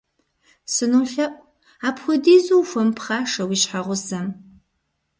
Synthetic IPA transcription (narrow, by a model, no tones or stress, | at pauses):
sɨnuɬɐpʷʼ | aːpʰxʷʊdiːzuwfʷɐmpʰχaːʂɐwiːɕħaʁʷʊsɐm